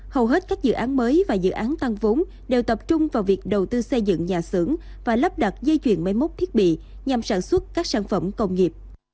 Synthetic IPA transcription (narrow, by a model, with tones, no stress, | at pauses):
hə˨˩wɦe˦˥t̚kaː˦˥k̚zɨ̰˧˨ʔaː˨˦nməː˨˦jvaː˨˩zɨ̰˧˨ʔaː˨˦nt̪a˧ŋvo˨˦ŋ͡m | ɗe˨˩wt̪ə˨˩p̚t͡ɕʊ˧ŋ͡mvaː˨˩wvi˨˩ək̚ɗə˨˩wt̪ɨ˧sə˧jzɨ̰˧˨ŋɲaː˨˩sɨ̰˧˩əŋ | vaː˨˩lə˦˥p̚ɗa˨˩t̚zə˧jt͡ɕwḭ˧˩ənma˨˦jmo˦˥t̚t̪ʰi˦˥ət̚ɓḭ˧˨ | ɲa˨˩msaː˧˩nswə˦˥t̚kaː˦˥k̚saː˧˩nfə˧˩mkə˧wŋ͡mŋi˨˩əp̚